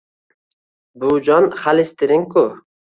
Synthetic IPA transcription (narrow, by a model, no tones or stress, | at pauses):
bud͡ʒɒnχalɪst̪ɪɾɪŋkʊ